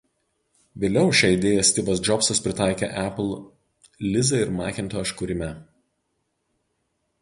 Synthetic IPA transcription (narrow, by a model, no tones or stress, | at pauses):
ʋʲeːlʲɛʊʃʲɛːɪd̪ʲeːjɛsʲt̪ʲɪbɐsd͡ʒɔpsɐspʲɾʲɪt̪ɑˑɪkʲḛʔæplˠ | lʲɪzɐɪɾmɑːkʲɪnˑt̪oːɪʃkʊɾʲɪmʲɛ